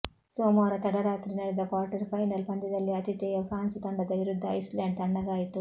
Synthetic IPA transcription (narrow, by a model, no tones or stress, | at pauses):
soːmoːɾɐt̪ɐɽɐɾaːt̪ɾinɐɽid̪ɐkaːɾʈɐɾpʰɐjnɐlpɐnd̪id̪ɐlːiɐt̪it̪ɛːjɐpʰɾaːnst̪ɐɳɖɐd̪ɐjɾud̪ʱːɐɐ̰jslaːɳɖ̚t̪ɐɳɖɐɡaːjit̪u